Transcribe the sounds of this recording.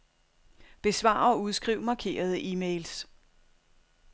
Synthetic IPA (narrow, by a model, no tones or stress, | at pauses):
b̥e̝sʋɑ̰̈ːɒ̽uð̞ˠsɡ̥ʁiʊ̰mɑ̈ːkʰe̝̰ːɐð̞ˠəʔiːmeɪls